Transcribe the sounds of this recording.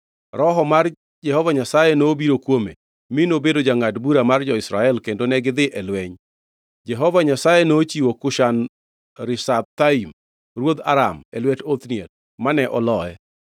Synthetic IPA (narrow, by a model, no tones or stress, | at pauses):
ɾɔɦɔmar | d͡ʒɛɦɔvaɲasajɛnobiɾokwome | minobedod͡ʒaŋadbuɾamard͡ʒɔɪsɾaɛlkendonɛɡɪd̪ɪʔɛlwɛɲ | d͡ʒɛɦɔvaɲasajɛnot͡ʃiwokʊʃan | ɾɪsab̚t̪aim | rwod̪a̰ɾamɛlwɛtot̪niet̚ | manɛʔɔlɔɛ